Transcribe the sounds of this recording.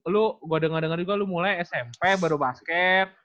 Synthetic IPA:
lʊɡuadəŋərdəŋərd͡ʒuɡalumulajɛsɛmpɛbaɾubaskɛt̪̚

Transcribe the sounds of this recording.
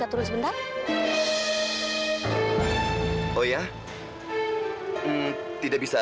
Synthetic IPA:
at̪uɾʊsbənt̪ar | oja | t̪idaʔ̚bisa

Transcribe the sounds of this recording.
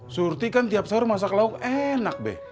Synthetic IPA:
surt̪ikant̪iap̚saʊrmas̬aklaukɛnak̚bɛ̰h

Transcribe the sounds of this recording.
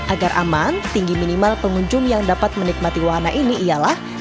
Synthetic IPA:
ʔaɡarʔa̰mant̪iŋɡiminimalpəŋuɲd͡ʒʊŋjaŋdapat̪̚mənik̚mat̪iwaɦanaʔiniʔːjalah

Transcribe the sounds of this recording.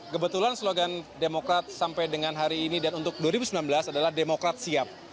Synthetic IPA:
kəbət̪ulansloɡandemokɾat̪̚sampajdəŋanɦaɾiːnidanunt̪ʊk̚duwaɾibusəmbilanbəlasadalahdemokɾat̪̚siap̚

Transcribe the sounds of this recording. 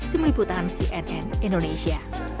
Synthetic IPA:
t̪imlibut̪ansiʔɛnʔɛnindoneʃia

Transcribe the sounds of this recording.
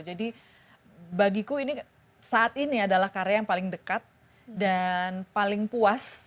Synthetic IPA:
d͡ʒadi | baɡikuini | saʔat̪iniadalahkaɾjajaŋpalɪŋdəkat̪̚ | danpalɪŋpuas

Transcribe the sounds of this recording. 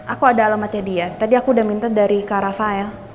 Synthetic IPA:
ʔakuadaːlamat̪adiat̪adiakuːdahmint̪adaɾikaɾafaɛl

